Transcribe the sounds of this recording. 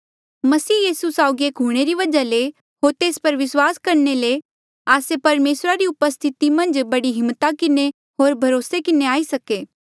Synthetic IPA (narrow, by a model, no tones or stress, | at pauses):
mɐsiːjiːsusaːʊɡieːkɦuːɽ̃eɾiʋɐd͡ʒale | ɦoːɾt̪eːspɐɾʋɪswaːskɐɾnele | aːsepɐɾmeːsɾaɾiʊpəst̪ʰɪt̪imɐ̃nd͡ʒbɐɽiɦɪ̃mːt̪akɪne | ɦoːɾbʱɐɾoːsekɪneaːisɐkeː